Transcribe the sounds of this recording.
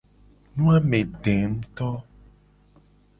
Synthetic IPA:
nũ˦a˦mẽ˨ɖe˨ŋ̩˦t̪ɔ˦

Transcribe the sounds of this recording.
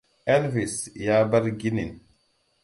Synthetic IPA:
ɛ˦lvi˨sjaː˦ba˦ɾɡi˦ni˨n

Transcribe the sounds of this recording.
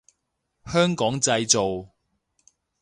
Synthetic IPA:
hœː˥ŋkɔː˨˥ŋt͡sɐ˧jt͡so˨w

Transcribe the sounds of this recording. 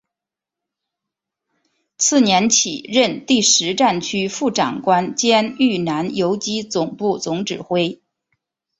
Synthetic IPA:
t͡sʰɹ̩˥˩njɛ˧˥nt͡ɕʰi˨˩ɻə˥˧nt̪i˥˩ʂɻ̩˧˥ʈ͡ʂa˥˩nt͡ɕʰy˥fu˥˩ʈ͡ʂɑ̰˨˩ŋkwa˥nt͡ɕjɛ˥ny˥˩na˧˥njo˧˥ʊt͡ɕi˥t͡sʊ˨˩ŋpu˥˩t͡sʊ˧˥ŋʈ͡ʂɻ̩˨˩xwe˥ɪ

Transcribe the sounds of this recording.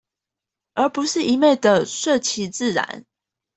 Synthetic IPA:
ə˞˨˧˥pu˧˦ʂɻ̩˥˩i˧˥˦me˥˩ɪd̪ə˨˩ʂə˥˨˩t͡ɕʰi˧˥t͡sɹ̩˥˩ɻa̰˧˦n

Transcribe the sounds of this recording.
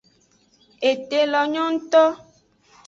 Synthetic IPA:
e˨te˨lɔ˨ɲɔ̃˦n̩˦t̪ɔ˦

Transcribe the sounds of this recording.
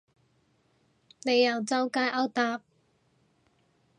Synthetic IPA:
ne˨˧jːɐ˨˩wt͡sɐ˥wkaː˥ʔɐ˥wt̪aː˨˥p̚

